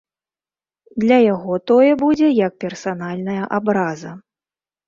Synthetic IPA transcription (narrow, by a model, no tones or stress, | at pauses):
d̪lʲɐjaɣɔt̪ɔjɛbud͡zʲɛjɐk̚pʲɛrsanalʲnɐjɐʔabɾazɐ